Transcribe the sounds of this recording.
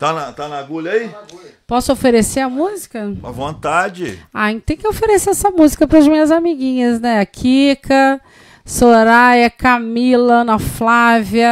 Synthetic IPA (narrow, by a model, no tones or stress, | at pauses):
t̪anɐt̪anɐɡulɐipɔsʊofeɾeseɐmuzikɐɐvõnt̪ad͡ʒɪaẽt̪ẽj̃kɪofeɾeseɛsɐmuzikɐpɾɐzmĩɲɐzamiɡĩɲɐznɛɐkʰikʰɐ | soɾajɐkamilɐnɐflavjɐ